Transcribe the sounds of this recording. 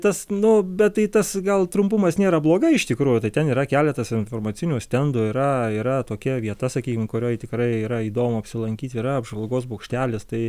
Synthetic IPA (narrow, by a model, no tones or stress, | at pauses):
t̪ɐsnʊbʲɛt̪t̪ːɐɪt̪ɐsɡɐlˠt̪ɾʊmpʊmɐsnʲeːɾɐblˠoːɡɐɪʃt̪ʲɪkɾuːjʊt̪ɐɪt̪ʲɛniːɾɐkʲæːlʲɛt̪ɐsɪnfoːrmɐt͡s̪ʲɪnʲuːsʲt̪ʲɛnd̪ʊɪɾɐiːɾɐt̪oːkʲɛʋʲiɛt̪ɐsɐkʲiːkʲɪmkʊɾʲoːjɪt̪ʲɪkɾɐɪiːɾɐiːd̪oːmʊɐpʲsʲɪlˠɐŋʲkʲiːt̪ʲiːɾɐɐbʒʋɐlˠɡoːsboːkʃʲt̪ʲæːlʲɪst̪ɐɪ